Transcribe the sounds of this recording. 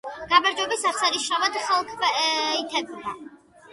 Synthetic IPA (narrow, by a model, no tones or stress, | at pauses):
ɡ̥amaɾd͡ʒwɛbɛsasaɾiʃavad̪χalˠkʰbait̪ʰɛbma